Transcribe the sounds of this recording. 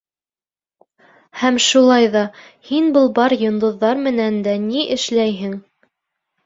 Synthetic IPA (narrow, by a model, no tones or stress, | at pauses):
hæmʃulˠɑjðɑ | hinbɤlˠbɑɾjŏnd̪ŏðːɑɾmɘ̆nænd̪æniʔɘ̆ʃlæjɦɘŋ